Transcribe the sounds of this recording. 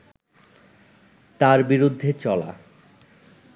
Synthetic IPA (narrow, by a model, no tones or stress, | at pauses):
t̪aɾbiɾud̪ʱːet͡ɕɔla̰